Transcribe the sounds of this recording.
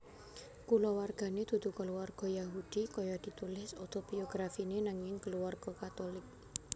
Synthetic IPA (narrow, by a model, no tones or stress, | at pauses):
kulɔwarɡ̥a̤ned̪̥ṳd̪̥ṳkəluwarɡ̥ɔ̤jaɦud̪̥ikɔjɔd̪̥i̤t̪ulɪsot̪ob̥ioɡ̥ɾafinenaŋjɪŋkəluwarɡ̥ɔ̤kat̪olɪk̚